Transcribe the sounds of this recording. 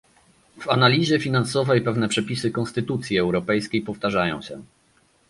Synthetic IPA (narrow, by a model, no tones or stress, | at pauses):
v̥analʲiʑɛfʲinansɔvɛjpɛvn̪ɛpʂɛpʲisɘkɔ̃nst̪ɘt̪ut̪sʲjiɛwɾɔpɛjskʲejpɔft̪aʐajɔ̰̃w̃ɕɛ̰